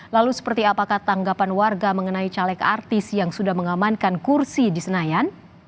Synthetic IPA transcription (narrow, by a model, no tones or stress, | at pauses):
lalusə̥pərt̪iapakaht̪aŋɡapanwarɡaməŋənait͡ʃalɛka̰rt̪ɪsjaŋsudahməŋamankankursidisənajan